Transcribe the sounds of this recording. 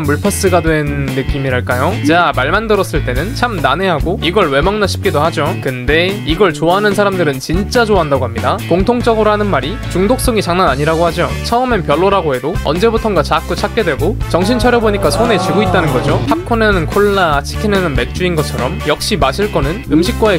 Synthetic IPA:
mmuɭpʰʌs͈ɯɡadwe̞nːɯk͈imiɾaɭk͈ajot͡ɕamaɭmandɯɾʌs͈ɯɭt͈e̞nɯnt͡ɕʰamnane̞ɦaɡoiɡʌɭwe̞maŋnaɕʰi̥p̚k͈idohad͡ʑokɯnde̞iɡʌɭt͡ɕoaɦanɯns̬ʰaɾamdɯɾɯnt͡ɕint͡ɕ͈ad͡ʑoaɦandaɡoɦamɲidakoŋtʰoŋt͡ɕ͈ʌɡɯɾoɦanɯnmaɾi | t͡ɕuŋdok̚s͈ʌŋit͡ɕaŋnanaɲiɾaɡohad͡ʑot͡ɕʰʌɯmenpjʌɭːoɾaɡoɦe̞doʌ̰nd͡ʑe̞butʰʌŋɡat͡ɕak͈ut͡ɕʰak͈̚e̞dwe̞ɡot͡ɕʌŋɕ̬ʰint͡ɕʰʌɾjʌboɲik͈asʰone̞t͡ɕiɡoit̚t͈anɯnɡʌd͡ʑohak̚kʰonenɯnkʰoɭːat͡ɕʰi̥kʰinenɯnme̞k̚t͡ɕ͈uinɡʌt͡ɕʰʌɾʌmjʌk̚ɕ͈imaɕʰiɭk͈ʌnɯnɯmɕʰik̚k͈wae

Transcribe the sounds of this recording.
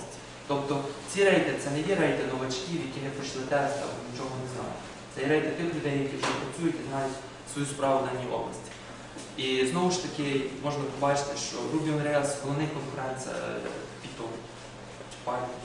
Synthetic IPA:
tʲi̥ | t̪ɔpt̪ɔt͡sʲiɾɛjt̪ɛt̪sɛnɛjɛɾɛjt̪ɪnɔʋɐt͡ʃkʲiwjɐkʲinɛpɾɪʃlˠɪt̪ɛst̪ɐ̰nʲit͡ʃɔɦɔnɛznɑ̰jʊ̰ | t̪sɛjɛɾɛjt̪ɪt̪ɪxlʲʊd̪ɛjɐkʲiwʒɛpɾɐt͡sʲujʊtʲiznɑjʲʊtʲ | sʋɔjuspɾɑʋʊd̪ɑnʲːiɔ̰blˠɐ̰sʲtʲi̥ | iznɔʋʊʃt̪ɐkʲɪmɔʒnɐpɔbɑt͡ʃɪ̥t̪ɪʃt͡ʃɔ̰rubʲiɔnɾɛalˠsɦɔlˠɔʋnɪkɔnkʊɾɛnt̪sʲɐ̰pʲit̪ɔm | t͡ʃɪ̥pɑjʲ

